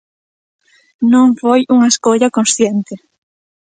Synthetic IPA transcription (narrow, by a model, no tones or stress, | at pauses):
nõŋfojuŋɐeskoʎɐkonsθjent̪ɪ